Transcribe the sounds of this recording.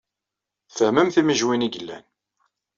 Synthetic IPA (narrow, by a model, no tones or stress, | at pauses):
θəhməmθiməʒwiniɡəlːæ̰n